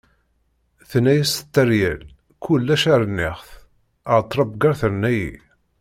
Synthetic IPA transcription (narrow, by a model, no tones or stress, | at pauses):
θnæjæsə̥t̪ːəɾjæl | kʰʊlːæʃaɾˤənːɪχθ | ət̪ˤːɾˤɑbɡɑɾθəɾnæjḭ